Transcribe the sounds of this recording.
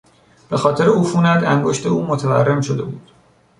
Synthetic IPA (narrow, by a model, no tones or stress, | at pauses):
b̥e̞xɒːt̪ʰe̞ɾeuːfuːnæd̪æŋɡo̞ʃt̪e̞uːmot̪ʰevæ̰rːe̞mʃod̪e̞buːd̪̥